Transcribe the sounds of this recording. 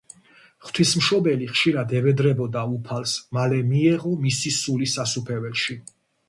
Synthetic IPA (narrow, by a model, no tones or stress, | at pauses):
χt̪ʰwismʃɔbɛliχʃiɾad̪ɛvɛd̪ɾɛbɔd̪aupʰalˠsmalɛmiɛʁɔmisisulisasupʰɛvɛlʃi